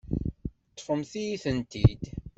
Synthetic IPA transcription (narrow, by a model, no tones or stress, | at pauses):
t̪ˤːfəmθijiθənt̪id̪